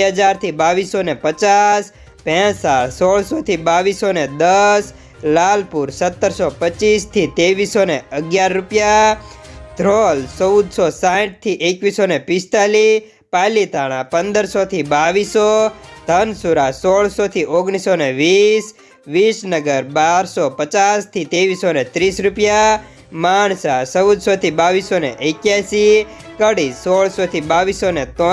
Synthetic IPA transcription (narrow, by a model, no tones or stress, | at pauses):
ɦəd͡ʒaɾt̪ʰibaʋisːonepət͡ʃas | pɛ̃saɭsoɭsot̪ʰibaʋisoned̪əs | lalpuɾsət̪ːəɾsopət͡ʃːist̪ʰit̪eʋisːoneəɡjaɾːupja | d̪ʱɾolsɔwd̪sosãʈ̚t̪ʰiʔekʋisonepɪst̪ali | palit̪aɽ̃ãpənd̪əɾsot̪ʰibaʋisod̪ʱənsuɾasoɭsot̪ʰiʔoɡɽ̃isoneʋis | ʋisnəɡəɾbaɾsɔpət͡ʃast̪ʰit̪eʋisonet̪ɾisɾupja | maɳsasəwd̪ʱsot̪ʰibaʋisonḛʔekjasi | kəɽisoɭsot̪ʰibaʋisonet̪ɔ